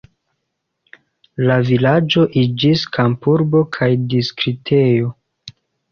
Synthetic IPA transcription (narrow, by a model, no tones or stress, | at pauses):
lavilad͡ʒo̞ʔid͡ʒiskʰampuɾbo̞kʰajdiskɾitʰejo̞